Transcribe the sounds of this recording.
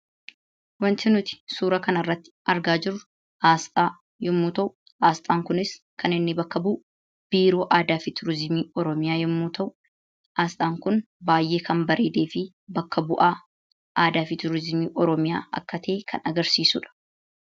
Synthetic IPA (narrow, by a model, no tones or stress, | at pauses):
wɐnt̪ɪnʊt̪ɪ̥suːɾɐkɐnɐrːɐt̪ːɪ̥ʔɐɾɡaːd͡ʒɪɾʊ | haːst̪ʼaː | jɪmːuːt̪ɐʔʊ | ʔaːst̪ʼaːŋkʊnɪskʰɐnɪnːɪbɐkːɐbuːʔ | b̥iːɾo̞ːʔaːd̪aːfɪt̪ʰʊɾɪzmiːɔɾɔmɪjaːjɪmːuːt̪ɐʔʊ | aːst̪ʼaːŋkʊn | baːjʔe̞ːkʰɐmbɐɾʔeːd̪e̞ːfɪ | bɐkːɐbʊʔaː | ʔaːd̪aːfɪt̪ʊɾɪzmiːʔɔɾɔmɪjaːɐ̰kːɐt̪ʰe̞ːkʰɐnɐɡɐɾsiːsʊᶑɐ̥